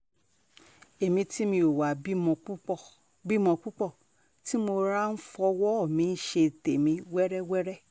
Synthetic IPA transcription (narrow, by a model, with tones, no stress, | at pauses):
e˨mĩ˧ti˦mĩ˧o˨wa˨bi˦mɔ̃˧˦˨ | bi˦mɔ̃˨˧k͡pu˦k͡pɔ˦˨ | ti˦mo˧ɾa˦n̩˦fɔ˧wɔ˦ɔ˦˨mĩ˧n̩˦ʃe˧˨te˨mĩ˧wɛ˦ɾɛ˦wɛ˦ɾɛ˦